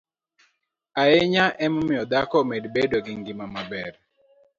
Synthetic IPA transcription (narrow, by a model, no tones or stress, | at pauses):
aeɲaʔɛmɔmɪɔd̪akɔmedbedoɡiŋɡimamabɛɾ